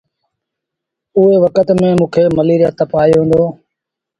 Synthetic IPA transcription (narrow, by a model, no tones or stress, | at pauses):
ʊɦeːʋəkət̪mẽːmũːkʰeːməliːɾjaːt̪əpaːjoːɦẽːnd̪oː